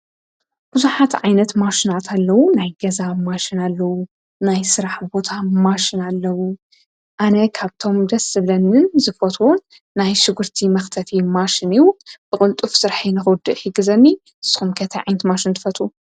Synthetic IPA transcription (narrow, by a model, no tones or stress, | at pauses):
b̥ɨzuħat̪ʕajnɐt̪maʃinat̪ʰalːɐwunajɡɐzamaʃinalːɐwu | najsɨɾaħbo̞t̪ʰamaʃɪnalːɐwu | ʔanɐkʰaβt̪ʰo̞md̪ɐsɨβlɐnɨnzɨfot̪ʰunː | ajʃɨɡɨɾt̪ʰimɐxt̪ʰɐt̪ʰimaʃiniwub̥ɨkʼʊlt̪ʼufsɨɾħinɨxɨwd̪ɨʔjɪɡɨzɐnːi | ɨsɨ̥xumkʰɐt̪ʰɐʕa̰jnɐt̪maʃint̪ʰɨ̥fɐt̪ʰʼu